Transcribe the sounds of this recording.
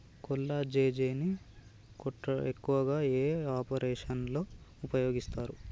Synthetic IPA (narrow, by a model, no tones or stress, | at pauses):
kɔlːad͡ʒeːd͡ʒeːni | kɔʈːɐekːuʋɐɡaːeːaːpɐɾɛːʂɐnlo̞ːupɐjo̞ːɡist̪aːɾu